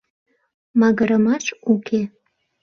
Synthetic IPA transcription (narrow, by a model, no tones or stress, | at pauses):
mɑɣəɾəmɑʃukʰe